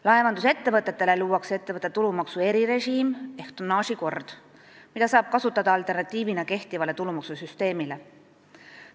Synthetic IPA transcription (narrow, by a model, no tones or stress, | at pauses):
lɑe̞vɑnd̪use̞t̪ːevɤt̪ːˑe̞t̪ːe̞le̞luːwɑkse̞t̪ːe̞vɤt̪ːˑet̪ulumɑksue̞ɾiɾe̞ʒiːme̞ht̪unːɑːʃiko̞rd̪̥ | mid̪̥ɑsɑːb̥̚kɑsut̪ːˑɑd̪̥ɑɑlt̪ˑe̞rnɑt̪ːˑiːvinɑke̞ht̪ivɑle̞t̪ulumɑksusyst̪e̞ːmile̞